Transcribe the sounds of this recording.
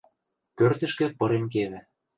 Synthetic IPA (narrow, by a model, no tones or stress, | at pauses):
pørt̪ə̆ʃkĕpɤ̆ɾemk̬eβɘ̆